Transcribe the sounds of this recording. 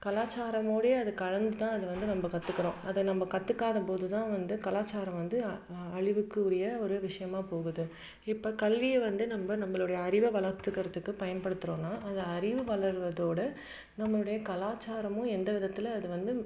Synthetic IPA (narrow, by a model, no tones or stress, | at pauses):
kɐlaːt͡ʃːaːɾɐmoːɽɐjeɐðɯkɐɻɐnd̪ɯt̪ãːɐðɯʋɐnd̪ɯnɐmbɐkɐt̪ːɯkːɪɾõːʔɐðɐnɐmbɐkɐt̪ːɯkːaːðɐpoːðɯt̪ãːʋɐnd̪ɯkɐlaːt͡ʃːaːɾɐ̃mʋɐnd̪ɯ | ɐɻɪʋɯkːɯʊɽɐjɐɔɾɯʋɪʂɐjɐmaːpoːɣɯðɯ | ɪpːoːkɐlʋɪjɛʋɐnd̪ɯnɐmbɐnɐmːɐɭɯɽɐjɐɐɾɪʋɐʋɐɭɐɾt̪ːɯkːɐɾɐt̪ːɯkːɯpɐjɐnpɐɽɯt̪ːɯɾõːnːaːʔɐðɐɐɾɪʋɯʋɐɭɐɾʋɐðoːɽɐ | nɐmːɐɭɯɽɐjɐkɐlaːt͡ʃːaːɾɐmʊ̃ɛnd̪ɐʋɪðɐt̪ːɪlɐːðɯʋɐnd̪ɯ